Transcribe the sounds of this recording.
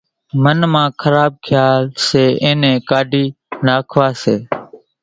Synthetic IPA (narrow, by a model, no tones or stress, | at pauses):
mənmãːkʰəɾaːb̚kʰjaːlseːʔẽːnẽːkaːɖʱiː | naːkʰʋaːseː